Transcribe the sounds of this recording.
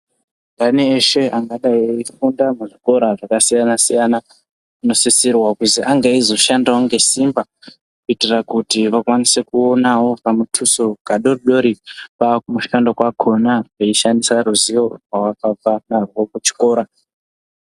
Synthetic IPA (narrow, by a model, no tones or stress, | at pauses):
ŋdaniːʃe̞ʔaŋɡaɗaiifundamuʐiko̞ɾaʐakasijanasijana | uno̞sisirwakuziʔaŋɡaizo̞ʃandawoŋɡe̞simba | kuitirakutiʋakwanise̞kuo̞nawo̞pamutʰusoɡaɗo̞riɗo̞ɾipakumuʃandokwakʰo̞naʐeiʃandisaɾuziwo̞rwawapapanarwokut͡ʃi̥ko̞ːɾa